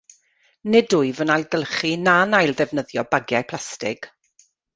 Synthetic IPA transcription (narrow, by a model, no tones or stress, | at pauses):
nɪdʊɨvənajlˠɡəlˠχinanajlˠðɛvnəðjɔbaɡjajpʰl̥ˠastɪɡ̥